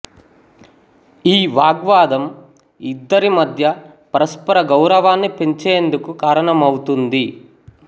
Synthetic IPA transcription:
iːʋaːɡʋaːd̪ɐm | id̪ːɐɾimɐd̪ʱjɐ | pɐɾɐspɐɾɐɡɐwɾɐʋaːnːipe̞ɲt͡ʃeːnd̪ukukaːɾɐɳɐmɐwut̪und̪i

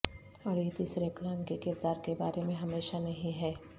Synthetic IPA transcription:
ɐɾet̪iːsɾeklãːnkekɪɾd̪aːɾkebaːɾemẽɦɐmeːʃanɐɦĩɦɛː

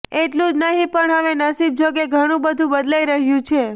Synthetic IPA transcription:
eʈlũd͡ʒnəɦĩpəɳɦəʋenəsib̚d͡ʒoɡeɡʱəɽ̃ũbəd̪ʱũbəd̪laiɾəɦjũt͡ʃʰe

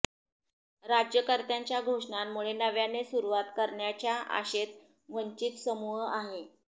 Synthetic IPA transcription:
ɾad͡ʑjəkəɾt̪jaɲt͡ɕjaɡʱoʂɳammuɭenəʋjanesuɾʋat̪kəɾɳjat͡ɕjaʔa̰ɕet̪ | ʋəɲt͡ɕit̪səmuɦəaɦe

